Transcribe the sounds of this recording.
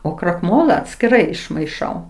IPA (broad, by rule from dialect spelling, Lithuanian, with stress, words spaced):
oː krɐkˈmoːlˠɐ ɐtʲsʲkʲɪˈrɐɪ ɪʃmɐɪˈʃɐʊ